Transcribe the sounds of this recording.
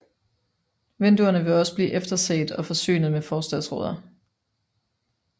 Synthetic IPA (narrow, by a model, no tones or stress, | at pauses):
ʋend̥uɐnəʋe̝ɒ̽sə̥b̥liːʔefd̥ɐsḛːd̥ɒ̽fɒ̽sy̰ːnð̞̩ˠmefɒːsd̥ɛðˠsʁɔːðˠɐ